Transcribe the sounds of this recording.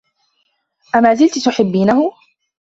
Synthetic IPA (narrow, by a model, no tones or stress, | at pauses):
ʔamaːzɪlt̪t̪ʊħɪbːiːnahʊ